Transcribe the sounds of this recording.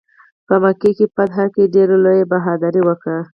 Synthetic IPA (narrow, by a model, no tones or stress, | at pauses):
pəmakikepad̪ɦakeɖeɾolojebaɦɑd̪aɾiwəkɽə